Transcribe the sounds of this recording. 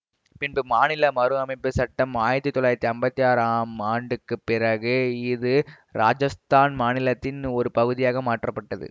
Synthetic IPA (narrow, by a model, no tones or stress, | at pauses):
pɪnbɯmaːnɪlɐmɐɾɯɐmɐɪpːɯsɐʈːɐmaːjɪɾɐt̪ːɯt̪ːɔlaːɪɾɐt̪ːiɐmbɐt̪ːijaːɾaːmaːɳɖɯkːɯpːɪrɐɣɯɪðɯ | ɾaːd͡ʒɐst̪aːnmaːnɪlɐt̪ːɪnɔɾɯpɐɣɯðɪjaːɣɐmaːʈrɐpːɐʈːɐðɯ̰